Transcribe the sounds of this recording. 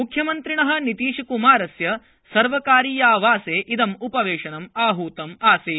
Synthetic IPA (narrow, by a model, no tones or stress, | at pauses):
mukʰjɐmɐnt̪ɾiɳɐɦɐ̆nit̪iːʃɐkumaːɾɐsjɐ | sɐɾʋɐkaːɾiːjaːʋaːseːʔid̪ɐmupɐʋeːʂɐnɐmaːɦuːt̪ɐmaːsi